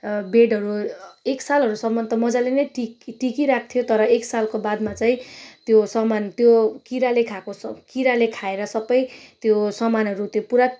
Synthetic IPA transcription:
beɖʌɾueksalɦʌɾusʌmːʌnt̪ʌmʌd͡zalenʌjʈiʈikiɾak̚ʰt̪ʰijot̪ʌɾʌeksalkobad̪mat͡saĩt̪josʌmant̪jokiɾalekʰakoskiɾalekʰaeɾʌsʌbʌjt̪josʌmanɦʌɾut̪jopuɾa

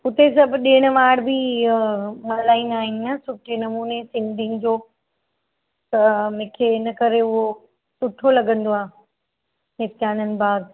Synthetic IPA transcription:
ʊt̪esɐbʱɗeːɽ̃əʋaːɽbi | mɐɾlaːĩnaːɦɪ̃nãːsʊʈʰenɐmuːnesɪ̃nd̪ʱĩŋd͡ʑoː | t̪ɐmẽkʰeɪnɐkɐɾeʊɦo | sʊʈʰːolɐɡə̃nd̪oaː | nɪt̪jaːnənɪ̆baːd̪

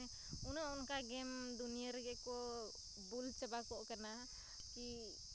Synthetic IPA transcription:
unaɔnkaɡɛmd̪unijəɾɡɛkɔ | bult͡ʃəbakɔʔkana | ki

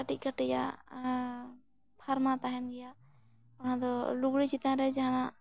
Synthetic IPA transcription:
aʈiʔ̚kaʈɛja̰ | pʰaɾmat̪aɦɛnɡɛja | ɔnãd̪ɔluɡɽit͡ʃit̪ãɾɛd͡ʒaɦana

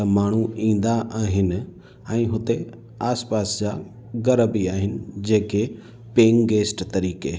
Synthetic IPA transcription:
ɐmaːɳ̤uĩːn̆d̪aʔaːɦɪnɪ̆ | ɛ̃ːɦʊt̪e | aːspaːsd͡ʑa | ɡɐɾəbiaːɦɪnɪ̆d͡ʑeːke | pẽːŋɡeːsʈt̪ɐɾiːke

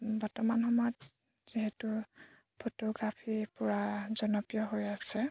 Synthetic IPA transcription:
bɔɹtɔmanxɔmɔjɔt | z̥iɦetu | pʰotɔɡɹapʰiɹpʊɹazɔnɔpijɔɦojasɛ

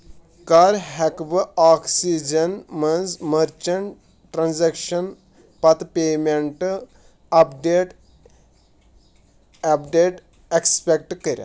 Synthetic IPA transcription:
kaːɾɦɛkbəaːksid͡ʒɐnmɐnd͡zməɾt͡ʃɐɳʈ | ʈɾanzekʃɐn | pɐt̪peːmeɳʈ | ɐpɖeʈ | ɐpɖeʈ | ekspʲek̚ʈkəɾʲa̰

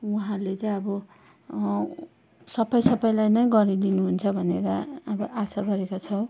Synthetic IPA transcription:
uɦãlet͡sʌj̃ʌbʌ | sʌbʌjsʌbʌjlajnʌjɡʌɾid̪inuɦunt͡sʰʌbʱʌneɾʌːbʌʔasaɡʌɾekot͡sʰʌw

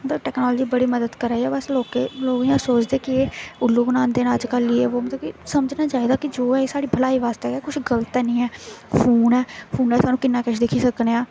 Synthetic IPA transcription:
mət̪ləbʈɛːknɔːlːd͡ʒiːbəɽiːməd̪əd̪kəɾaːiːɛːbəsloːkeloːɡiãːsoːt͡ʃd̪eːkɪeːʊlːoːɡnãːnd̪eːnaːəd͡ʒkəlːieːoːmət̪ləbkɪsəməd͡ʒnaːt͡ʃaːid̪aːkɪd͡ʒoːɛːsaːɽiːbʱəlaːiːʋaːst̪eːɛːkʊt͡ʃʰɡələt̪ɛːnĩːɛːpʰuːnɛːpʰuːnɛːsaːnũːkɪnːaːkəʃʰd̪ekʰiːsəkneːãː

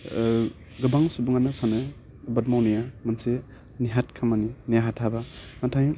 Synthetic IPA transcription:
ɡɯbaŋsubuŋanasanɯ | bɐt̚mawnijamanse | niɦat̚kʰamaninijaɦatʰabanatʰaj

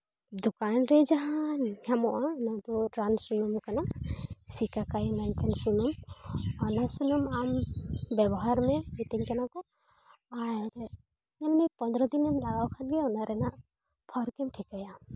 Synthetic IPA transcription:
d̪ukanɾɛd͡ʒaɦanɡɛmɔʔanat̪ɔɾansunumkanasikakajmɛnt̪ʰansunɔmɔnasunɔmambɛbɔɦaɾmɛmit̪iŋkanakɔ | aɾ | ɲanmɛpɔnd̪ɾɔd̪inɛmlaɡawkʰanɡɛɔnaɾɛna | pʰɔɾkɛmʈʰikajam

